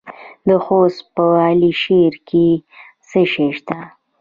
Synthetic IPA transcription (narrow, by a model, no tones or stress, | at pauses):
d̪əxospəɑliʃeɾkʰe | səʃeʃt̪a